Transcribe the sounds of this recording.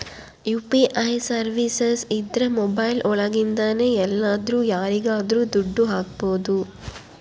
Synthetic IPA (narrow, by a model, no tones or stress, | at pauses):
juːpiʔɐjsɐɾʋisesid̪ɾɐmɔbɐjlʔɔɭɐɡind̪ɐne̞ːɛlːaːd̪ɾuːjaːɾiɡaːd̪ɾuːd̪uɖːuɦaːk̚boːd̪u